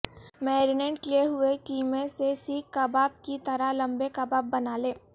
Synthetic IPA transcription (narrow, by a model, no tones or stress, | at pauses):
mɛːɾɪnɛ̃ɳʈklieɦʊekiːmẽsesiːkːabaːb̚kit̪ɐɾalɐ̃mbekɐbaːb̚ːɐnaːlẽː